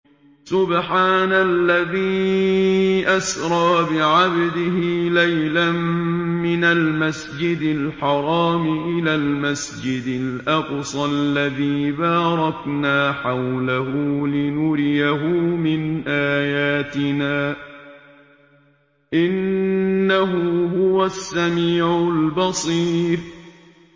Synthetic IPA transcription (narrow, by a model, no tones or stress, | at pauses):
sʊbħaːnalːaðiː | ʔasɾˤɑːbɪʕabd̪ɪɦɪlajlamːɪnalmasd͡ʒɪd̪ɪlħɑɾˤɑːmɪʔɪlaːlmasd͡ʒɪd̪ɪlʔɑqsˤɑlːaðiːbaːɾˤɑknaːħawlahʊlɪnʊɾɪjaɦʊːmɪnʔaːjaːt̪ɪnaː | ʔɪnː | aɦʊhʊwasːamiːʕʊlbɑsˤiːɾ